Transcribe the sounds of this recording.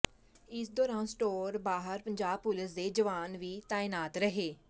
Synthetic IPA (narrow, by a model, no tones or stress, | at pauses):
ɪsd̪oːɾãːnsʈoːɾbaːɦəɾpəɲd͡ʒaːb̚pʊlɪsd̪eːd͡ʒəʋaːnʋiːt̪aːɪnaːt̪ɾəɦeː